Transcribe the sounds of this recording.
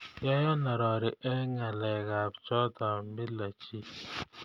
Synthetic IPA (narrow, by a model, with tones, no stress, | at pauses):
jɔ˦jɔ˦na˨ɾɔ˨ɾɪ˨ʔɛ˦ŋa˨lɛ˨ɣa˨bt͡ʃɔ˦tɔ˨˦mɪ˦la˨t͡ʃi˦